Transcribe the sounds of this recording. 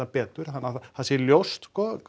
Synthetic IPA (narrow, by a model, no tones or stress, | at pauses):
apɛːt̪ʏɾ̥hanːahasjɛljowst̪skɔːk